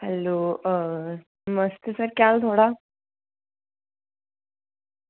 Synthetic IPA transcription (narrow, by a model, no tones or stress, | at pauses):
hɛ̰lo | məst̪isəɾkʲalt̪ʰoɽa